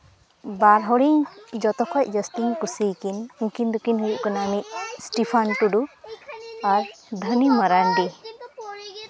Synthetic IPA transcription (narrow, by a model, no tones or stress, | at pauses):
baɾɦɔɾiŋd͡ʒɔt̪ɔkʰɔjʔ̚d͡ʒɔst̪iŋkusijkinuŋkind̪ukinɦujuʔkɔnamiʔ̚sʈipʰanʈuɖu | aɾd̪ʱənimaɾaɳɖi